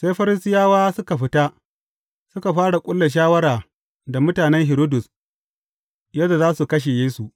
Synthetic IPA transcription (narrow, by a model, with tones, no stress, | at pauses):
seː˦jɸɐ˦ɾɪ˦sɪ˦jaː˦waː˦sʊ˦ka˨ɸɪ˦ta˦ | sʊ˦ka˨ɸaː˦ɽa˨kʷʼʊ˦lːa˨ʃ̬aː˦wɐ˦ɽaː˨ | da˨mʊ˦taː˨nɛ˦ŋɦɪ˨ɾoː˦dʊ˨s | jaː˦da˨zaː˦su˨kɐ˦ʃ̬e˨jeː˦su˨ʔ